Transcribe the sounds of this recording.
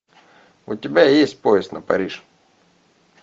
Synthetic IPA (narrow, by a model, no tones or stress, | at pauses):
ʊtʲɪbʲajesʲt̚ʲpoɪst̪nɐpɐ̰ɾʲiʂ